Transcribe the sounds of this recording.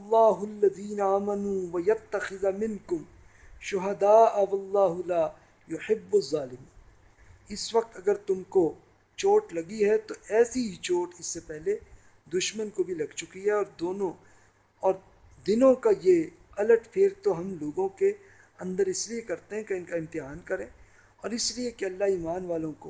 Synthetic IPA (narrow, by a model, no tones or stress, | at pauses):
ɐlˤːaːɦʊɐlːɐðiːnaaːmɐnuːʋɐjɐt̪ːɐxɪðamɪ̃nkʊm | ʃʊɦɐd̪aːʔwɐlːaːɦʊlaː | jʊħɪbːɐzːaːlɪmiːn | ɪsʋɐq̚t̪ɐɡəɾt̪ʊmko | t͡ʃoːʈlɐɡiɦɛt̪oɛːsiɦit͡ʃoːʈɪsːepɛɦle | d̪ʊʃmənkobʱilɐɡt͡ʃʊkiɦɛɔːɾd̪oːnõ | ɔːɾ | d̪ɪnõkaje | ɐləʈfʰeːɾt̪oɦɐmloːɡõke | ɐ̃nd̪əɾɪsliekɐɾt̪eɦɛ̃keɪ̃nkaɪ̃mt̪ɪɦaːnkɐɾẽː | ɔːɾɪsliekeɐlːaɦiːmaːnʋaːlõko